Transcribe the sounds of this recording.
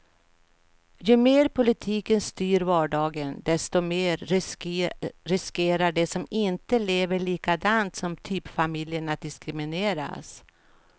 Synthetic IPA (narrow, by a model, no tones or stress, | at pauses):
jɵmeːɾpʰʊlɪt̪ʰiːkənst̪yːɾvɑːɖɑːɡənd̪ɛst̪ɔmeːɾ | ɾɪskeːɾaɖɛsɔmɪnt̪əleːvəɭiːkad̪ant̪sɔmt̪ʰyːpfamɪljənat̪̚d̪ɪskɾɪmɪneːɾa̰s